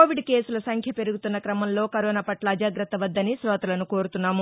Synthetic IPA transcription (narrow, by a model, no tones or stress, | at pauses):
oːʋiɖke̞ːsulɐsɐŋkʰjɐpe̞ɾuɡut̪unːɐkɾɐmɐmlo̞ːkɐɾoːnaːpɐʈlɐːd͡ʒaːɡɾɐt̪ːɐʋɐd̪ːɐnisɾɔːt̪ɐlɐnuko̞ːɾut̪unːaːmu